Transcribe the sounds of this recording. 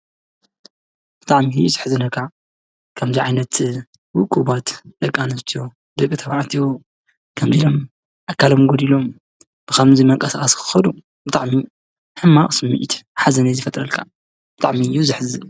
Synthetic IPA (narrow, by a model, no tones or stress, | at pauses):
b̥ɨt̪ʼaʕmiijuzɨħzɨnɐkʰa | kʰɐmziʕajnɐt̪ | wʊkʼubat̪d̪ɐkʼːanɐst̪ʰijo̞ | d̪ɨkʼːɨt̪ʰɐβaʔat̪ʰijo | kʰɐmzilom | ʔakʰːalomɡod̪ilo̞m | b̥ɨkɐmzimɐŋkʼɐsaxʼɐskʰɨ̥xɐd̪u | bɨt̪ʼaʕmi | ħɨmːaχʼsɨmːḭʔt̪ħazɐnɐzɨfɐt̪ʼɾɐlkʰa | b̥ɨt̪ʼaʕmijuzɨħɨzɨ